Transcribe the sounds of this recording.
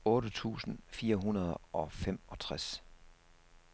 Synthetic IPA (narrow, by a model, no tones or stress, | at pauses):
ɔ̽ːɾət͡sʰṵːsn̩fiːɐɦunɐð̞ˠʔɒ̽femɒ̽t͡sʰʁas